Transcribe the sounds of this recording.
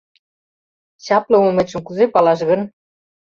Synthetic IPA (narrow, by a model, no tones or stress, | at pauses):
t͡ɕɑplɤ̆umĕt͡ɕə̆mkuzepɑlɑʃɣɤ̆n